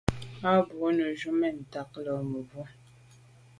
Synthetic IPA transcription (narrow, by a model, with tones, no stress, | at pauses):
a˦bo˨˦nə˨ʒu˦mɛ˦˨n̩˨ta˨˦k̚lɔ˨mə˨vu˦